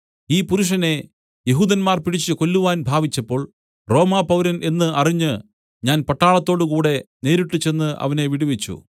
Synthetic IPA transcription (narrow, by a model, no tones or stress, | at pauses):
iːpuɾuʂ̬ɐne̞ | jeɦuːðɐnmaːrpiɽit͡ɕːɨko̞lːuʋaːnbʱaːʋit͡ɕːɐpːo̞ːɭ | ro̞ːmaːpɐwɾɐnʔe̞nːɨɐriɲːɨ | ɲaːnpɐʈːaːɭɐt̪ːo̞ːɽɨkuːɽe̞ne̞ːɾiʈːɨt͡ɕːe̞nːɨʔɐ̰ʋɐne̞ʋiɽiʋet͡ɕːṵ